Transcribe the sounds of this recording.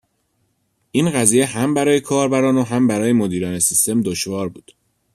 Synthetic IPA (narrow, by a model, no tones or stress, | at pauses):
ʔiːnɢæziːje̞hæmbæɾɒːjekʰɒːɾbæɾɒːnoɦæmbæɾɒːjemod̪iːɾɒːnesist̪e̞md̪oʃvɒːɾbuːd̪̥